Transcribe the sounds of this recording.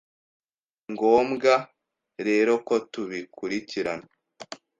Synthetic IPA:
ŋɡo̞ːmɡa | ɾe̞ːɾo̞ko̞tuβikuɾiciɾana

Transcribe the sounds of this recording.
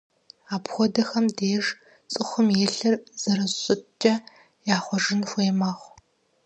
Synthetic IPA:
aːpxʷɔdɐxɐmdeːʒ | t͡sʼɨxʷʊmjeːɬɐrz̥ɐɾɐɕʼɨt͡ʃʼɐ | jaːχʷɔʒɪnxʷeːmaːχʷ

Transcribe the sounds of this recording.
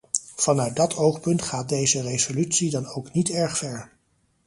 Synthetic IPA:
v̥ɑnœɥt̚dɑtʰowχpɵntχaːt̚dejzərezolytsidɑnowknitɛɹχfɛɹ

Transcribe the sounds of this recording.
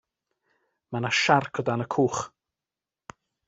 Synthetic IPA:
manaʃarkʰɔdanəkʰuːχ

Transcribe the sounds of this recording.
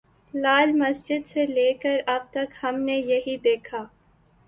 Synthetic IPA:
laːlmɐsd͡ʒɪd̪seleːkəɾɐb̚t̪ɐkhɐmnejɐɦid̪eːkʰaː

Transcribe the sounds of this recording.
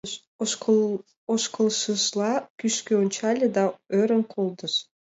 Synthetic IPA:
oʃkə̆lˠʃəʃlˠɑkyʃkøonʲt͡ɕɑlʲĕd̪ɑøɾə̆nkʰolˠd̪ə̆ʃ

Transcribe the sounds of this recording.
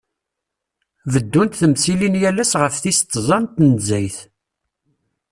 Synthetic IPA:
vəd̪ːunt̪θəmsilinjælæsʁəfθist̪ˤːzˤɑnt̪ːnzæjθ

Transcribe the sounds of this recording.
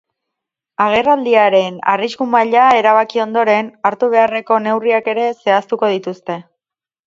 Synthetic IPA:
aɣ̞e̞rald̪iaɾe̞na̰riskumaʎae̞ɾaβ̞akio̞nd̪o̞ɾe̞naɾt̪uβ̞e̞are̞ko̞ne̞wriake̞ɾe̞se̞ast̪uko̞ð̞it̪ust̪e̞

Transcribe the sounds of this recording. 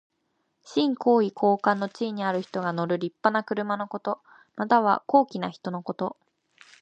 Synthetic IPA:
ɕĩŋko̞ːikʰo̞ːkãnːo̞t͡ɕiːɲ̟iaɾɯ̟çi̥t̪o̞ɡano̞ɾɯ̟ɾʲipːanakɯ̟ɾɯ̟mano̞ko̞t̪o̞ | mat̪aβ̞a̰ko̞ːkʲinaçi̥t̪o̞no̞ko̞t̪o̞

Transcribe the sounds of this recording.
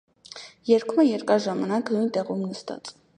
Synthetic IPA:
jɛɾkʰumɛjɛɾkɑɾʒɑmɑnɑknujnt̪ɛʁumnəst̪ɑ̰t͡sʼ

